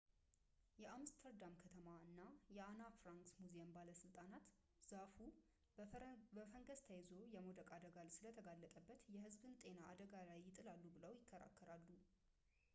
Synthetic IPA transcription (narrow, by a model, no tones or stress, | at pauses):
jɛʔamst̪ʰəɾd̪amkʰət̪ʰəmaɨnːajɛanafɾaŋksmuzembaləsɨlt̪ʼanat̪ | z̥afu | bəfəŋɡəst̪ʰajzo̞jɛmo̞d̪əkʼad̪əɡalsɨlət̪ʰəɡalːət̪ʼəbːət̪jɛhɨzbɨnt̪ʼe̞naːd̪əɡalajːɪt̪ʼɨlalːubɨləwjɪkʰːəɾa̰kʰːəɾalːu